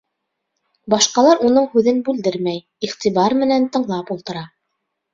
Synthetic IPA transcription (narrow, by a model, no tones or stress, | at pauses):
bɑʃqɑlˠɑɾunɤɴhʉðɘnbʉld̪ɘɾmæj | iχt̪iβɑɾmɘ̆nænt̪ɤ̆ɴlˠɑpulˠt̪ɤ̆ɾɑ